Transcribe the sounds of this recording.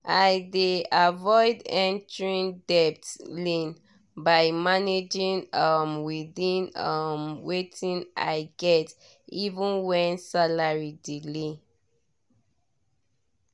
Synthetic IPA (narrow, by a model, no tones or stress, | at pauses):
ajdeavɔɪdɛ̃ntɹĩndɛp̚tlĩn | baɪmaned͡ʒĩnʌmwiðĩnʌmwetʰĩna̰ɪɡɛt | ivə̃nwɛ̃nsalaɹidile